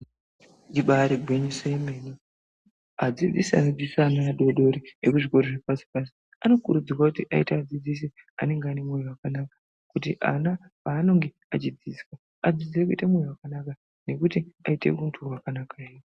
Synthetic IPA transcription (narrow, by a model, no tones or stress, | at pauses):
iɓaɾiɡʱweɲiseimeni | ad͡zid͡zisia̰nod͡zisaːnaɗo̞ɗo̞ɾiekuʐiko̞ɾoʐepasi̥pas̬i̥ | ano̞kuɾud͡zirwakutiʔaitaːd͡zid͡zisia̰ne̞ŋɡeane̞mwejiwakanakḁ | kutiʔa̰na | paːno̞ŋɡe̞ | at͡ʃid͡ziskwa | ad͡zid͡ziek̬uitamwejiwakanaka | ne̞kutiaite̞̰kuntʰurwakanakaeji